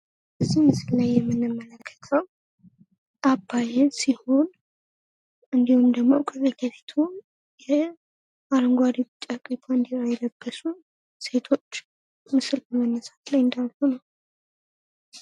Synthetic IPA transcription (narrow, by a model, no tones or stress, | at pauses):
ɨsimɨsɨllajːɛmːɨnːɨmːələkʰːə̥t̪ʰəw | ʔabːajɛnsiho̞n | ʔɨnd̪ihumd̪əɡmo̞kʰʼəzeɡəβit̪ʰu | jɛ | aɾəŋɡʷwaɾibɨt͡ʃʼːakʼibʰaɨnd̪iɾajɛləbːəsu | se̞t̪ʰo̞t͡ʃː | mɨsɨlbəmənːəsḁt̪lajɨnd̪alhonəw